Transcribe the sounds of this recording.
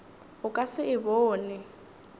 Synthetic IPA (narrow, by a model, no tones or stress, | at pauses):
ʊkʼasɪʔɪboːnɪ